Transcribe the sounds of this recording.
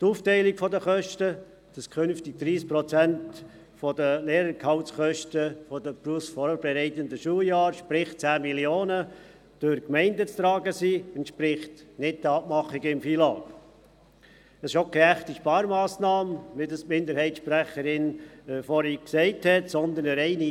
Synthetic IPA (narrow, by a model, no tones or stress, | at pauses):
tuːftɛɪlikfɔdəχœʃtə | d̥ɑskʰχʏnftiɡ̚d̥̪ɾiːs̚pɾɔt͡sænt | fɔdəleːɾəɾkʰhɑʊtsχœʃtəfɔdəpɾusfɔb̥ɛɾɛɪt̪əndəʃuːəjɑːɾʃpɾɪχ̚t͡sæːmiljoːnə | d̥ʊɾkmɛɪndət͡st̪ɾɑːɡəsiːɛntʃpɾɪχtnɪt̚d̥əɑpmɑχiɡəɪmfiːlɑːk | ɛsɪʃokʰɛæχtiʃpɑːɾmɑːsnɑːmʋɪdɑsmɪnd̪əɾhɛɪtʃpɾæχəɾɪnfɔɾiksɛɪthɛtsɔnd̪ənəɾɛɪni